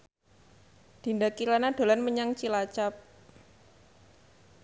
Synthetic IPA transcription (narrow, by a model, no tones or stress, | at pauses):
d̪̥i̤ndakilanad̪̥o̤lanməɲaŋt͡ʃilat͡ʃap̚